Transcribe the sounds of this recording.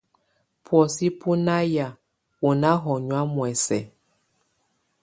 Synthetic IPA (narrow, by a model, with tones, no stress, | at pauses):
pwɔ˨si˦pu˦na˦ja˨ | u˨na˦ɦɔ˨ɲwa˦mwɛ˨sɛ˨